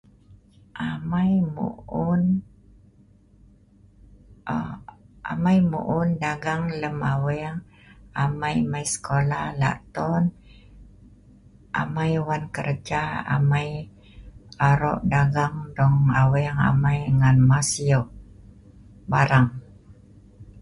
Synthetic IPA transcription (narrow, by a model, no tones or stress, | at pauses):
ʔamajmṵun | a̰majmṵʔundaɡaŋləmawɛŋ | amajmajsə̥kolahla̰ʔt̪ɔn | ʔa̰majwankərd͡ʒaa̰maj | aɾɔ̰ʔdaɡaŋdɔŋawɛŋa̰majŋanmasioʔ | baɾaŋ